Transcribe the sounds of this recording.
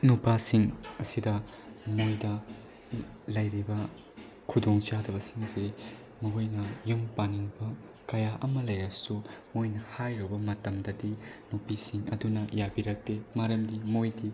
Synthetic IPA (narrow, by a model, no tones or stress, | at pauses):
nupasiŋɐsidɐ | mojdɐ | lɐjɾibɐ | kʰudoŋt͡ʃadɐbɐsiŋsii | muojnɐjumpaniŋbɐ | kɐjaʔɐmɐlɐjɾɐsumojnɐhajɾobɐmɐtɐmdɐdinupisiŋɐ̰dunɐjabiɾɐk̚temaɾɐmdimojdi